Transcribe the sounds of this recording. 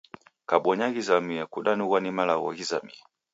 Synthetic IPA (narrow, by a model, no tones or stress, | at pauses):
kaɓɔɲaɣizamiakuɗanuɣwanimalaɣɔ̰ɣiza̰mḭa